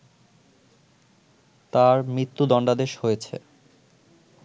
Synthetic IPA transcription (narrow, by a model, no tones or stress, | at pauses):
t̪aɾmɾit̪ːud̪ɔɳɖad̪eʃhojet͡ɕʰḛ